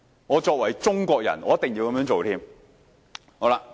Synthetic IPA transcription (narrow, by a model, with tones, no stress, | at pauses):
ŋɔː˨˧t͡ʃɔː˧k̚wɐ˨˩jt͡ʃʊ˥ŋkʷɔː˧k̚jɐ̰˨˩nɔː˨˧jɐ˥t̪ɪ˨ŋjiː˧wkɐ˧mjœː˧˥ŋt͡ʃo˨wt̪ʰiː˥m | ho˨˧˥wla˧